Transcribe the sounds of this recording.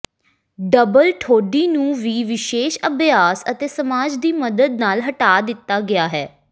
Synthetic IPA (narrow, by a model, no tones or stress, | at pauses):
ɖəbəlʈʰoːɖiːnũːʋiːʋɪʃeːʃəbjaːsət̪eːsəmaːd͡ʒd̪iːməd̪əd̪̚naːlɦəʈaːd̪ɪt̪ːaːɡɪaːɦɛː